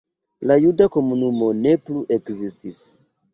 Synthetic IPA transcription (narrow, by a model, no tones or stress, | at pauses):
lajudako̞munumo̞ne̞pluʔe̞kzistis